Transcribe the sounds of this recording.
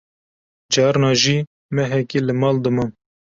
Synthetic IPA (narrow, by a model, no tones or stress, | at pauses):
d͡ʒɑːɾnɑːʒiː | mɛɦɛkelɨmɑːld̪ɨmɨn